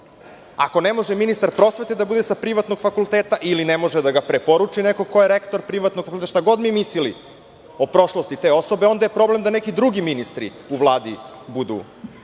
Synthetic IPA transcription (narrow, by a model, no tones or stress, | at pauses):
a̰ko̞nemo̞ʒeminist̪aɾpɾo̞sʋe̞t̪ed̪abud̪esapɾiʋat̪no̞ɡ̥fakulˠt̪eːt̪aʔilinemo̞ʒed̪aɡapɾepo̞ɾut͡ʂinekoko̞jeɾekt̪o̞ɾpɾiʋat̪noɡ̥faulet̪aʃt̪aɡo̞d̪mimislilḭ | opɾo̞ʃlost̪it̪e̞o̞so̞beo̞nd̪ajepɾo̞ble̞md̪ane̞kid̪ɾuɡiminist̪ɾḭ | uʋlˠaːd̪ibud̪ṵ